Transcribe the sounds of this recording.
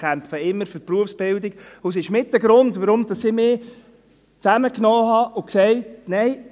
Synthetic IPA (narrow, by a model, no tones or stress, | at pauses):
kʰæmfəɪmːəɾføɾpɾuəfsb̥ɪldiɡ̥ʊs̬ɪʃmɪtːəɡɾʊndʋəɾʊmd̥ɑsɪmɪː | t͡sæməknoːɦɑʔʊksɛɪtnɛɪ